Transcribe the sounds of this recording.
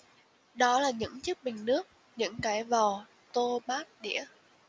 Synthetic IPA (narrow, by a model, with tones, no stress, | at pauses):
ɗɔ˨˦laː˨˩ɲɨ̰˧˥ŋt͡ɕɨ˦˥k̚ɓï˨˩ŋ̟nɨ˦˥ək̚ | ɲɨ̰˧˥ŋkaː˨˩jvɔ˨˩ | t̪o˧ɓaː˦˥t̚ɗḭ˧˥ə